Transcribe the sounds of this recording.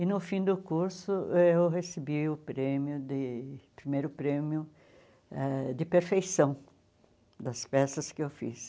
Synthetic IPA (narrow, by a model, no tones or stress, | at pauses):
ɪnʊfĩd̪ʊkuɾsʊewhesɪbiʊpɾẽmjʊd̪ɪpɾimejɾʊpɾẽmjʊ | ɛd̪ɪpeɾfejsɐ̃w̃ | d̪ɐspɛsɐskɪewfḭs